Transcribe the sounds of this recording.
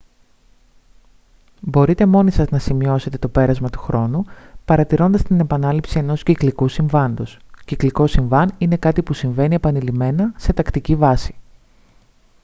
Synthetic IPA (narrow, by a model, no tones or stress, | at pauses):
bo̞ɾit̪e̞mo̞nisɐznɐsimio̞se̞t̪e̞t̪o̞pe̞ɾɐzmɐt̪u̥xɾo̞nupɐɾɐt̪iɾo̞nd̪ɐst̪ine̞pɐnɐlipsie̞no̞sciklikusiɱvɐnd̪o̞scikliko̞siɱvɐnine̞kɐt̪ipusiɱve̞nie̞pɐnilime̞nɐse̞t̪ɐkt̪icivɐsi̥